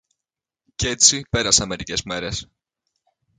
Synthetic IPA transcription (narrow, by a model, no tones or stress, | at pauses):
ce̞t͡sipe̞ɾɐseɐme̞ɾice̞zme̞ɾe̞s